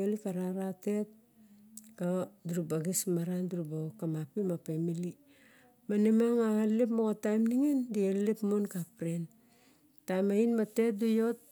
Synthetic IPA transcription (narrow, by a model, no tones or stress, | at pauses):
elikaɾaɾate̞t̚ | kaduɾubaɡismaɾanduɾubakamapimapemili | manemaŋaalep̬moɣatajmniŋendialepmonkapɾen | tajmainmate̞t̚dujot̚